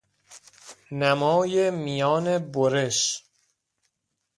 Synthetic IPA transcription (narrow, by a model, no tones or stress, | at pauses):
næmɒːjemijɒːne̞boɾeʃ